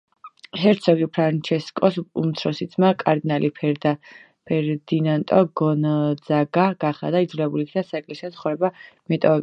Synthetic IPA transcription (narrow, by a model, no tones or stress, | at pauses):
ɦɛɾt̪sʰɔɡipʰɾant͡ʃʰɛskʼɔsumt̪sʰɾɔsid̪sʰmakʼaɾd̪inalʔipʰɛd̪a | pʰɛɾd̪̥inant̪ʼɔɡɔnd̪zaɡaɡ̥aχa̰d̪aid̪zulɛbulikʰd̪asakʼliʃɛsʰχɔɾɛbamɛt̪ʼɔ